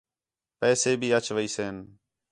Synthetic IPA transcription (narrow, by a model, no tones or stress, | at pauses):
pɛːseːbʱiːət͡ʃʋəiːseːn